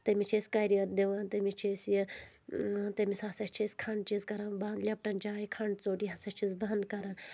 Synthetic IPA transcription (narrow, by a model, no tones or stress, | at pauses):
t̪ɐmit͡ʃʰesʲkɐɾijɐɾd̪eʋɐnt̪ɐmit͡ʃʰesje | t̪ɐmisasɐt͡ʃʰisʲkʰɐɳɖt͡ʃizkɐɾanband̪lʲɐp̚ʈɐnd͡ʒaːjkʰɐɳɖt͡soːʈiɦɐsɐt͡ʃʰizbɐnd̪kɐɾɐn